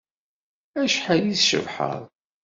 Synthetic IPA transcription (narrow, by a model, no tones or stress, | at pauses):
æʃħajiθʃə̰vħə̰ðˤ